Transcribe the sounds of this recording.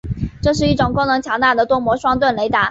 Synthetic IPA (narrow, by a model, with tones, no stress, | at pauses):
ʈ͡ʂɤ˥˧ʂ̬ɻ̩˥˧i˥˩ʈ͡ʂʊ˨˩ŋko˥ŋnɤ˧˥ŋt͡ɕʰjɑ˧˥ŋt̪a˥˩d̪ə˩t̪wɔ˥mwɔ˧˥ʂwɑ˥ŋt̪wə˥˩nle˧˥ɪt̪a˧˥